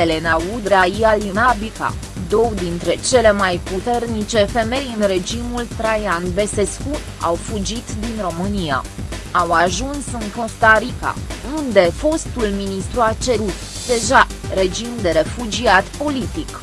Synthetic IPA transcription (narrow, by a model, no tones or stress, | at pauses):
ele̞naud̪ɾaialinabika̰ | d̪o̞wd̪int̪ɾe̞t͡ʃe̞le̞majput̪e̞rnit͡ʃe̞fe̞me̞jɨnre̞d͡ʒimult̪ɾajanbe̞se̞sku | a̰wfud͡ʒit̪d̪inro̞mɨnia̰awaʒunsɨŋko̞st̪aɾika̰und̪e̞fo̞st̪ulminist̪ɾuat͡ʃe̞ɾut̪d̪e̞ʒare̞d͡ʒimd̪e̞ɾe̞fud͡ʒiat̪po̞lit̪ik